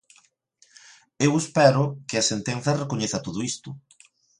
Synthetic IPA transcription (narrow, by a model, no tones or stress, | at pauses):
ewespɛɾʊkɪɐsent̪enθɐrekoɲeθɐt̪oðoist̪ʊ